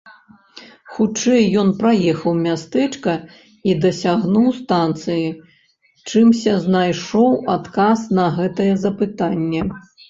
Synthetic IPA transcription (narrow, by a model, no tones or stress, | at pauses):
xut͡ʂɛjːɔnpɾajɛxɐwmʲast̪ɛt͡ʂkɐ | id̪ɐsʲaɣnuwst̪ant̪sɨji | t͡ʂɨmsʲɐznajʂɔwat̪kasnɐɣɛt̪ɐjɛzɐpɨt̪anʲːɛ